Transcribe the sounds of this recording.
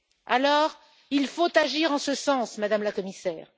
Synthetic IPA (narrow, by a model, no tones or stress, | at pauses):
a̰lɔʁ | ilfot̪aʒiʁɑ̃səsɑ̃smad̪amlakɔmisɛːʁ